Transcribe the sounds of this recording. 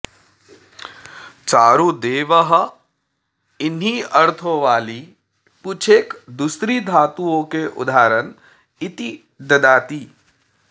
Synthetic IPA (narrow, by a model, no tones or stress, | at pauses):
t͡ʃaːɾud̪eːʋəɦɐ̆ | ɪnɦiɐɾt̪ʰoʋaːliː | put͡ʃʰeːkd̪ʊsɾiːd̪ʱaːt̪uõkeʔʊ̰d̪ʱaːɾən | ɪt̪i | d̪ɐd̪aːt̪iː